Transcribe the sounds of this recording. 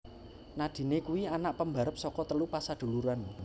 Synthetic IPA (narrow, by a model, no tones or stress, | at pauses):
nad̪̥i̤nekuwianaʔpəmba̤ɾəp̚sɔkɔt̪əlupasad̪̥o̤luɾan